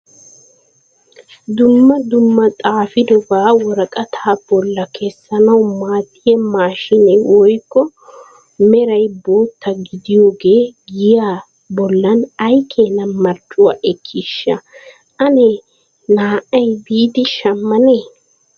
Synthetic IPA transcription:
d̪ʊmːɐd̪ʊmːɐt̪ʼaːfɪd̪ɔbaːwɔɾɐkʼɐt̪ʰaːb̥ɔlːɐkʰɛsːɐnɐwmaːt̪ːɪjɛmaːʃɪnɛwɔjkːɔ | mɛɾɐjbo̞ːt̪ːɐɡɪd̪ɪjo̞ːɡe̞ːɡɪjaː | bɔlːɐnɐjkʰeːnɐmɐɾt͡ʃːʊwaːʔɛkʰːɪʃːɐ̰ | ʔɐnɛ | naːʔɐjbiːd̪ɪʃɐmːɐneː

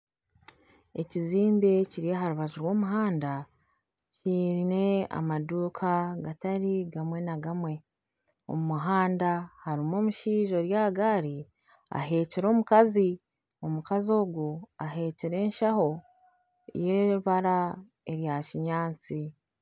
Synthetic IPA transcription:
e̞ciziːmbeciɾijaɦaɾuβaʒuɾwo̞ːmuɦaːnda | ciːɾine̞a̰maduːkʰaɡataɾiɡamwe̞naɡamwe̞ | o̰mumuɦaːndahaɾimo̞ːmuʃiːʒo̞ɾjaɡaːɾi | a̰ɦe̞ːciɾo̞ːmukazi | o̞mukazio̞ːɡuaɦe̞ːciɾe̞ːnʃaho̞ | jeːɾuβaɾa | e̞ɾjaciɲaːnt͡si

